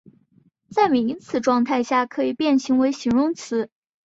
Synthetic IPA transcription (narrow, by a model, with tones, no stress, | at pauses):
t͡sa˥˩ɪm˧˨˩i˧˥ŋt͡sʰɹ̩˧˩ʈ͡ʂwɑ˥˧ŋt̪ʰa˥˧ɪɕja˥˩kʰɤ˧˥i˨˩pjɛ˥˩nɕi˧˥ŋwe˧˥ɪɕi˧˥ŋɻʊ˥˧ŋt͡sʰɹ̩˧˥